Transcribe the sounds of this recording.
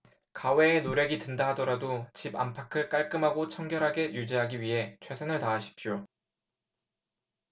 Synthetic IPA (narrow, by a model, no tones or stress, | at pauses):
kawe̞ːnoɾjʌɡitɯndaɦadʌɾadot͡ɕiba̰mpʰakʰɯɭk͈aɭk͈ɯmɦaɡot͡ɕʰʌŋɡjʌɾɦaɡe̞jud͡ʑiɦaɡiɥiɦe̞t͡ɕʰwe̞sʰʌnɯɭtaːɕʰi̥p̚ɕ͈o